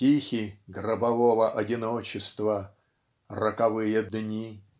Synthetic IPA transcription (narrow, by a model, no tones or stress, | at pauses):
tʲixʲiɡrɐbɐvovəʔɐdʲinot͡ɕɪst̪vɐ | rɐkɐvɨjəd̪nʲi